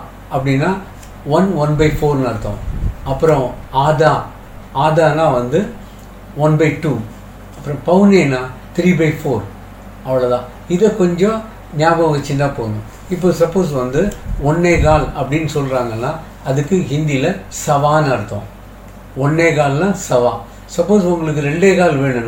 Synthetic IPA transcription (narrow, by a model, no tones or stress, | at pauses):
ɐpːɐɽinːaː | ʋɐnʋɐnbɐɪfoːɾnaɪɾɯt̪ːõ̰ːɐpːɯɾɔ̃aːðaː | aːðaːnãːʋɐnd̪ɯ | ʋɐnbɐɪʈːuː | ɐpːɯɾɔ̃pɐʋɯneːnːaːt̪ɾiːbɐɪfoːɾ | ɐʋɐɭɐðãː | ɪðɐkːɔɲd͡ʒɔ̃ | ɲjaːɡɐʋɐɣɐt͡ʃːɪnd̪ãːpoːnʊ̃ | ɪpːoːsɐpːoːs̬ʋɐnd̪ɯɔnːeːk̬aːlɐpːɐɽɪnːɯsɔlɾaːŋɡɐnːaː | ɐðɯkːɯɦɪnd̪ilɐsɐʋaːnɐɾɯt̪ːõ̰ː | ɔnːeːkaːllãːsɐʋaː | sɐpːoːsʊŋɡɐɭɯkːɯɾɛɳɖeːkaːlʋeːɳɯn